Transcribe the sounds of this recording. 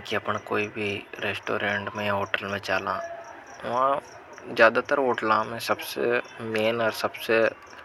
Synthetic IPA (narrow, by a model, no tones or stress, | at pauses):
kiɐpɳakoːibʱiɾeːsʈoːɾẽːɳʈmẽjãɦoːʈəlmẽt͡ʃaːlãː | ʋɐɦã | zjaːd̪at̪əɾɦoːʈəlãmɛ̃ːsɐbsḛmeːnɔːɾsɐbse